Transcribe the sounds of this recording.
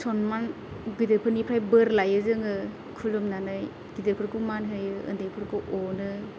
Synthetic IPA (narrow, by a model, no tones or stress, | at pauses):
sɔnman | ɡɯdɯpʰɯnipʰɾajbɯɾlajɯzɯŋɯ | kʰulumnanɯj | ɡidɯɾpʰɯɾkumanɦɯjɯɯ̰ndejpʰɯɾkuʔɔnɯ